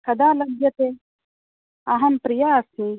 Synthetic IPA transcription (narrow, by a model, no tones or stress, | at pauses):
kɐd̪aːlɐbjɐt̪e | ɐɦɐmpɾijasĩ